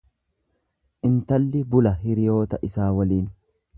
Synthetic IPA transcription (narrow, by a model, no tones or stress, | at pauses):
ʔɪnt̪ɐlːɪbʊlɐɦɪɾɪjo̞ːt̪ɐʔɪsaːwɐliːn